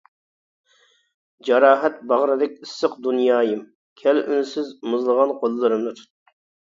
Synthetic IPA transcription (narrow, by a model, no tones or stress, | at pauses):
d͡ʒɑɾɑːɦɛt̪̚bɑʁɾɨd̪ɪk̚ʲɨsːɨqd̪unjɑːjɨm | kʲʰɛlʔynsɪzmɨzlˠəʁɑnqʰolˠlːˠɨɾɨmnɨt̪ʰut̪ː